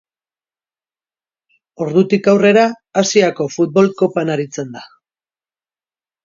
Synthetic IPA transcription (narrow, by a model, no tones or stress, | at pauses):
o̞ɾðut̪ikawre̞ɾaː | siako̞fut̪̚bo̞lko̞panaɾit͡se̞nd̪a